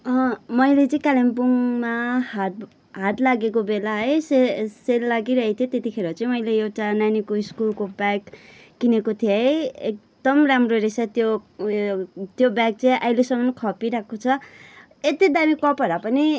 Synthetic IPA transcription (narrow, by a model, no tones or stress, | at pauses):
ʌmʌjlet͡sʌĩkalembuŋma | ɦat̪laɡekobelaɦʌjseselːaɡiɾʌɦet̪ʰjot̪et̪ikʰeɾot͡sʌ̃ĩmʌjleewʈananikoiskulkobaɡː | inekot̪ʰjeɦʌjek̚d̪ʌmramroɾesat̪jo | t̪jobak̚t͡sʌĩʔajlesʌmʌnkʰʌpiɾakʰot͡sʰʌ | et̪id̪amikʌpʌɾapʌni